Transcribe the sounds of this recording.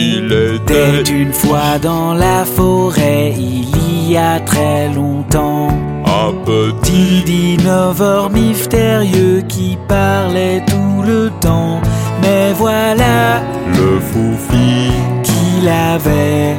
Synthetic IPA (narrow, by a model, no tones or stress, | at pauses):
it̪ɛt̪ynfwad̪ɑ̃lafɔʁɛilijat̪χɛlɔ̃t̪ɑ̃ | ə̃pət̪id̪inɔvɔʁmist̪eʁjøkʲipaʁlɛt̪ulət̪ɑ̃mɛvwala | ləfufikilavɛ